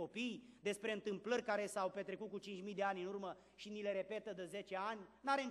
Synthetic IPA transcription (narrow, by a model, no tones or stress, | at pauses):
o̞pijd̪e̞spɾe̞ɨnt̪ɨmplərʲkaɾe̞sawpe̞t̪ɾe̞kut̪̚kut͡ʃint͡ʃmijd̪e̞anʲɨnurmə | ʃinile̞ɾe̞pe̞t̪əd̪əze̞t͡ʃe̞anʲnaɾeɨn